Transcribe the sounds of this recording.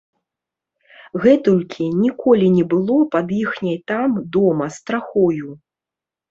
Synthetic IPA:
ɣɛt̪ulʲkʲʰinʲikʰɔlʲinʲɛbɨlˠɔpɐd̪jixnʲɐjt̪amd̪ɔmɐst̪ɾaxɔju

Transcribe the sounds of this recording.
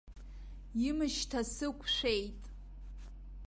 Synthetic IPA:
imɨʃtʰasɨkʷʰʂʷejtʼ

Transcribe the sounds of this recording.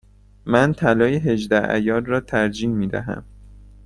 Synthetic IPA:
mænt̪ʰælɒːjeɦe̞ʒd̪ææ̰jɒːlrɒːt̪ʰæɾd͡ʒiːnmiːd̪æ̰ɦæ̰m

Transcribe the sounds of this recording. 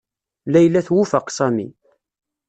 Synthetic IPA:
læjlːæθwufəqsæmḭ

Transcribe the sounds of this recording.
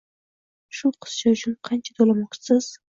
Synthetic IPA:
ʃʊqʰə̥st͡ʃaʊt͡ʃʰʊnqʰɑnt͡ʃʰḁt̪ʰolˠamɒq̚t͡ʃʰsɪz̥

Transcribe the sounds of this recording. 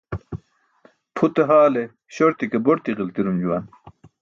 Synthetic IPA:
pʰut̪eɦaːle | ɕoɾt̪ikeboɾt̪iʁilt̪iɾumd͡ʑuwɐn

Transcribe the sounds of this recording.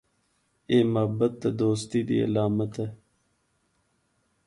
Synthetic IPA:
eːmɐbɐt̪̚d̪ɐd̪oːst̪id̪ḭɐ̰laːmɐt̪e

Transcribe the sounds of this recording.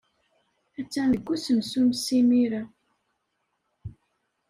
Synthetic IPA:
æt͡sːænðəɡʷːusənsumsimiɾa

